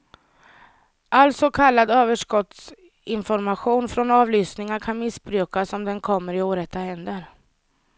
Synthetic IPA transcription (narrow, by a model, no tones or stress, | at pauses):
ʔalsɔkʰalːad̪øːvəʂkɔt̪s | ɪnfɔɾmaɧuːnfɾɔnɑːvlʏːsnɪŋaɾkʰanmɪsbɾʉ̟ːkasɔmd̪ɛnkʰɔmːəɾɪoːɾɛt̪ːaɦɛnd̪əɾ